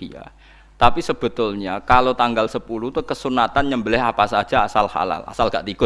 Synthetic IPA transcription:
ija̰ | t̪apisəb̥ə̤t̪ʊlɲakalot̪aŋɡalsəpulut̪ukəsunat̪anɲəmbəlɪɦapasḁd͡ʒaasalha̰la̰lʔa̰salɡaʔt̪iɡ̥ʊt̪̚

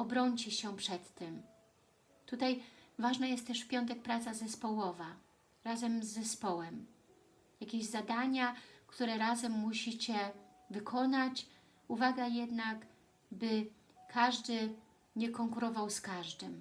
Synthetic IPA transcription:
ɔbɾɔɲt͡ɕɛɕɛpʂɛt̪ːɛm | t̪ut̪ajvaʐnɛjɛst̪t̪ːɛʂfpʲjɔnt̪̬ɛk̚pɾat̪sazɛspɔwɔva | ɾazɛmzːɛspɔwɛm | jakʲeʑzad̪aɲakt̪uɾɛɾazɛmːuɕit͡ɕɛ | vɘkʰɔnat͡ɕ | uvaɡajɛd̪nak | bɘ | kʰaʐd̪ɘ | ɲɛkɔŋkuɾɔvawskaʐd̪ɘm

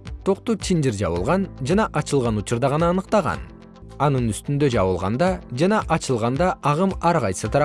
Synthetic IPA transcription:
t̪ʰo̞qt̪ut͡ʃ̪ʰind͡ʒiɾd͡ʒɑ̰βɯlˠʁɑnd͡ʒɑnɑʔɑt͡ʃɯlˠʁɑnut͡ʃuɾd̪ɑʁɑnɑːnɯqt̪ɑʁɑ̰n | ɑnɯnyst̪ynd̪ø̞d͡ʒɑβɯlˠʁɑ̰nd̪ɑd͡ʒɑnɑʔɑt͡ʃɯlˠʁɑnd̪ɑʔɑʁɯmɑɾʁɑjsɯt̪ʰɑɾɑ

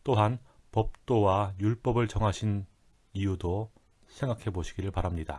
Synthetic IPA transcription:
t͈oɦan | pʌp̚t͈owajuɭp͈ʌbɯɭt͡ɕʌŋɦaɕʰin | ijudo | sʰe̞ŋɡakʰe̞boɕʰiɡiɾɯɭpaɾamɲida

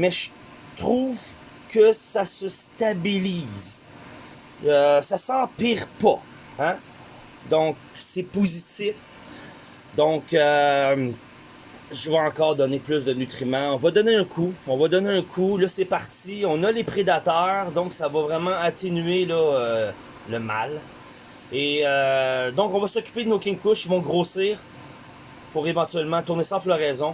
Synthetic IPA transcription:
mɛʒə | t̪χuːv | kəsasəst̪abiliːz | øsasɑ̃piːʁpɔ | ã | d̪ɔ̃k̚ | sɛpozit̪ɪf | d̪ɔ̃kø | ʒəvaɑ̃kɑːʁd̪ɔneplysd̪ənyt̪χimãɔ̃vɔd̪ɔneɛ̃kʰuɔ̃vɔd̪ɔneɛ̃kʰulʌsɛpaʁt̪iɔ̃nʌlepχed̪at̪œːʁd̪ɔ̃ksavɔvʁɛmɑ̃at̪enyelɔø | ləmal | eød̪ɔ̃kɔ̃vasɔkʲy̥ped̪ənokʲɪ̃ŋkʊʃivɔ̃ɡʁoːsiːʁ | puʁevɑ̃t̪ɥɛlmɑ̃t̪uʁnesɑ̃flɔʁɛzɔ̃

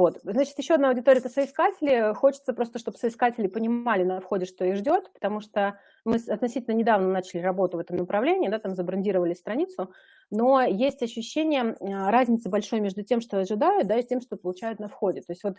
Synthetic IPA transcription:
vo̞t̪znat͡ɕɪt̪jɪɕːoɐd̪naɐʊwdʲɪt̪o̞ɾɪət̪əsəɪskatʲɪlʲɪxo̞t͡ɕɪ̥t̪səpɾo̞st̪əʂt̪obsəɪskatʲɪlʲɪpənʲɪmalʲɪnɐfxo̞dʲɪʂt̪o̞iʐdʲo̞t̪pə̥t̪ɐmuʂt̪o | mɨsɐt̪nɐsʲitʲɪlʲnənʲɪd̪avnənat͡ɕɪlʲɪɾɐbo̞t̪ʊvɛt̪əmnəpɾɐvlʲenʲɪːd̪at̪amzəbɾɐnʲdʲiɾəvəlʲɪsʲt̪ɾɐnʲit̪sʊ | no̞jesʲtʲɐɕːʉɕːenʲɪjəɾazʲnʲɪt̪sɨbɐlʲʂo̞jmʲe̞ʐd̪ʊtʲemʂt̪oɐʐɨd̪ajʊt̪̚d̪aitʲe̞mʂt̪opəlˠʊt͡ɕæjʊt̪nɐfxodʲɪt̪o̞jɪsʲtʲvo̞t̪

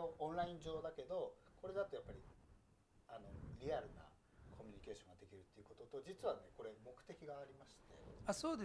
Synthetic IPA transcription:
oõ̞ñɾaĩɲd͡ʑo̞ːd̪ake̞d̪o̞ko̞ɾe̞d̪at̪o̞japːaɾʲi | ano̞̰ɾʲiaɾɯ̟na̰ | kʰo̞mʲiɲ̟ike̞ːɕõ̞ŋɡad̪e̞kʲiɾɯ̟t̪ːeiɯ̟ko̞t̪o̞t̪o̞d͡ʑit͡sɨβane̞ko̞ɾe̞mo̞kɯ̥t̪e̞kʲiɡaːɾʲimaɕi̥t̪e̞̰asoːd̪e

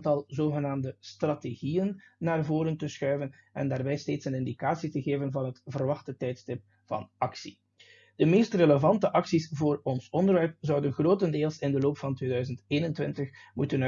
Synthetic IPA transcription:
ntɑlˠzoːɣənaːmdəstrɑteɣijənːaːrvoːɾəntəsxœɥvən | ɛ̰ndaːrbɛjsteːtsənɪndikaːsitəɣeːvənvɑnɦətvərʋɑxtətɛjtstɪp̚ | vɑ̰nɑksi | d̥əmeːstreləvɑntəʔɑksisvoːrɔnsɔndərʋɛrp̚zʌwdənɣroːtəndeːlˠsɪndəloːpfɑntʋeːdœːzənteːnəntwʋɪntəxmutən

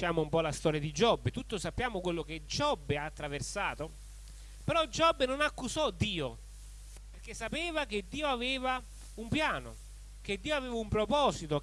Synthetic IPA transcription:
aːmʊumpɔlast̪ɔːɾjad̪id͡ʒɔbːet̪ut̪ːosapːjaːmokwelːok̟ed͡ʒɔbːeaːt̪ːɾaversaːt̪o | peɾɔd͡ʒɔbːnonakːusɔd̪ːiːo | perk̟esːapɛːvak̟ed̪ːiːoavɛːva | umpjaːno̰ | k̟ed̪ːiːoavɛːvaumpɾopɔːsit̪o

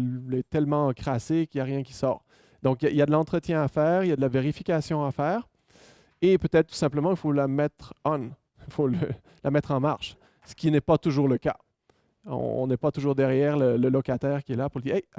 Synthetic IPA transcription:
lɛt̪ɛlmɑ̃kχasekiljaʁjɛ̃kʲi̥sɔ̰ːʁ | d̪ɔ̃kjailjad̪əlɑ̃t̪χət̪jɛ̃afɛːʁiljad̪əlaveʁifikʲasjɔ̃afɛːʁ | epøt̪ɛt̪̚t̪ːu̥sɛ̃pləmɑ̃ilfolamɛt̪χɑ̃n | ilfolə | lʔamɛt̪χɑ̃maʁʃ | sə̥kʲinɛpat̪uʒuːʁləka | ɔ̰̃ɔ̰̃nɛpat̪uʒuːʁd̪ɛʁjɛːʁlələlɔkat̪ɛːʁkʲiɛlapuʁləd̪iːɛ

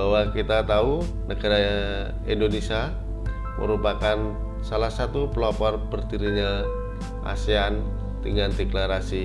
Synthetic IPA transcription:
bawakit̪at̪au | nəɡaɾa | indonesia | mʔə̰ɾupakan | salahsat̪upəlapɔrpərd̪iɾiɲa | ʔa̰sian | t̪iŋɡand̪eklaɾasi

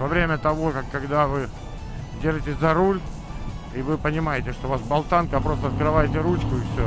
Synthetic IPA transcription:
vɐvɾʲemʲət̪ɐvo̞kakːɐɡd̪avɨ | dʲeʐɨtʲɪsʲzɐɾulʲ | ivɨpənʲɪmajɪtʲɪʂt̪ovasbɐlˠt̪ankəpɾo̞st̪əɐt̪̚kɾɨvajɪtʲɪɾut͡ɕkʊɪfsʲo

